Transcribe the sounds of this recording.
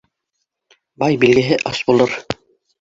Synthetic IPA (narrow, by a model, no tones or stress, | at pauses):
bɑjbilɡɘ̆ɦɘʔɑsbulˠɤɾ